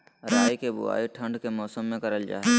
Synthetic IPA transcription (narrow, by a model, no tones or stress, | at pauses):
ɾaːikebʊ̰a̰ːiʈʰə̃ɳɖkemɔːsəmːẽkəɾəld͡ʒa̰ːɦe